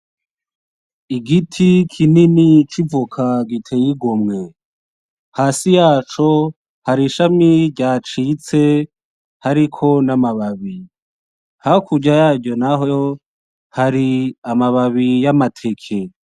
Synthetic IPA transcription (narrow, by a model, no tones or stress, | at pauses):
iɡitʰikʰininit͡ʃivukʰaɡitʰejiɡomŋe̞ | haːsijaːt͡ʃo̞ | haɾiʃamiɾɟaːt͡ʃit͡se̞ | haɾikʰo̞namaβaβi | haokuɟajaːɟo̞naɦo | haɾiamaβaβijamatʰe̞kʰe